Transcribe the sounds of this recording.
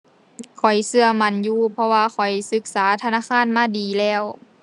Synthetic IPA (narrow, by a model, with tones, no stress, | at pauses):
kʰɔ˨˩jsɯ˧ɐma˧˥˨njuː˧pʰɔ˧waː˧kʰɔ˨˩jsɯ˧˦k̚saː˩˦t̪ʰa˧naː˧˥˨kʰaː˧˥˨nmaː˧˥˨diː˨˩lɛː˧˩˨w